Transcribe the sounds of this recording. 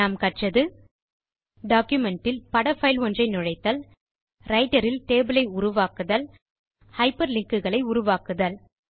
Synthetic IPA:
aːmkɐʈrɐðɯ | ɖaːkjʊmɛɳʈɪlpɐɽɐfɐɪlʋɔndrɐɪnʊɻɐɪt̪ːɐl | ɾɐɪʈɐɾɪlʈeːbɯlɐɪʊɾʊʋaːkɯðɐl | hɐɪpːɐɾlɪŋkɯɣɐɭɐɪʊɾʊʋaːkɯðɐl

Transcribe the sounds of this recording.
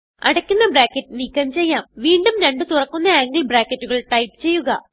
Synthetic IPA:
ɐɽɐkʲːunːɐbraːkːɐtːɨnikʲːɐmt͡ɕe̞jːaːmʋiːɳɖumɾeɳɖɨt̪urɐkːunːɐeːŋɡilbraːkːɐtːuɣɐɭʈɐjpɨ̥t͡ɕe̞jːuɣɐ

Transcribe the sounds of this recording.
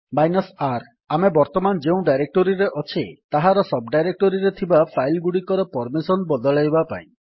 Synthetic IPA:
majnɔsaɾ | amebɔɾt̪ɔmand͡ʒeũɖajɾek̚ʈɔɾiɾeʔɔt͡ʃʰet̪aɦaɾɔsɔbɖajɾek̚ʈɔɾiɾet̪ʰibapʰajlɡuɽikɔɾɔpɔɾmisɔnbɔd̪ɔɭajbapa̰ḭ̃

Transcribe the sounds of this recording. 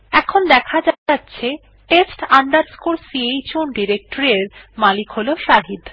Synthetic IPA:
ɛkʰond̪ɛkʰad͡ʑatːɕʰe | ʈesʈaɳɖaɾskulsiejt͡ɕunɖiɾek̚ʈoɾeɾmalikɦoloʃaɦid̪

